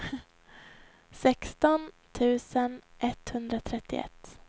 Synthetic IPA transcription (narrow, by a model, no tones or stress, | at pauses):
sɛkst̪ɔn | t̪ʰʉ̟ːsənʔɛt̪hɵnd̪ɾat̪ʰɾɛt̪ːɪ̰ɛ̰t̪ː